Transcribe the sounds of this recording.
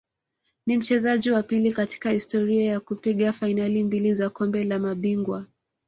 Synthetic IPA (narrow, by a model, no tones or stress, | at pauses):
nim̩t͡ʃɛzaʄiwapilikati̥kahistɔɾiajakupiɠafainalimbilizakɔmbɛlamaɓiŋɡwa